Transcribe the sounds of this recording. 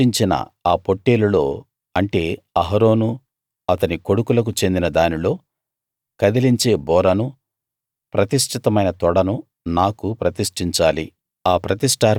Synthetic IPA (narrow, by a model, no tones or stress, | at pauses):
iɲt͡ʃinɐ̰aːpo̞ʈːeːlulo̞ː | ɐɳʈe̞ːɐɦɐɾo̞ːnu | ɐt̪ɐniko̞ɽukulɐk̬ut͡ʃe̞nd̪inɐd̪aːnilo̞ː | kɐd̪iliɲt͡ʃe̞ːbɔːɾɐnu | pɾɐt̪iʂʈʰit̪ɐmɐjnɐt̪ɔɽɐnu | naːkupɾɐt̪iʂʈiɲt͡ʃaːli | aːpɾɐt̪isʈaːɾ